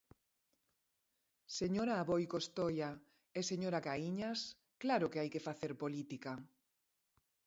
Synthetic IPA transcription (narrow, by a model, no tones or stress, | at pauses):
seɲoɾaːβojkost̪oja | eseɲoɾakaiɲas | klaɾʊkeajkefaθeɾpolit̪ika